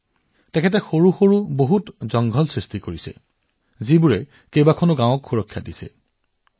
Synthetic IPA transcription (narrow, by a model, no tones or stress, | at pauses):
tɛkʰɛt̬ɛxoɹuxoɹuboɦutzɔŋɡʱɔlsɹistikoɹisɛ̰ | zibuɹɛ | kejbakʰɔnʊɡãwɔkxuɹɔkʰːja̰disɛ̰